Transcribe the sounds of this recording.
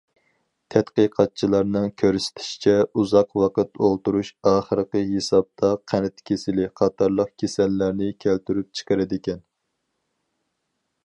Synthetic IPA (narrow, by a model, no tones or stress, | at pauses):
t̪ʰɛt̪qəqʰɑt̪̚t͡ʃʰilˠɑɾnɨŋkʲʰøɾsɪ̥t̪ʰɪ̥ʃi̥t͡ʃʰɛuzɑqwɑqət̪olˠt̪uɾuʃɑːχəɾəqəɦesɑb̚t̪ʰɑqʰænɪt̪kʲʰesɪlɪqʰɑt̪ʰɑɾlˠəq̚kʲʰesɛlːæɾnɪkʲʰælt̪yɾyp̚t͡ʃʰə̥qəɾɪd̪ɪkʲɛn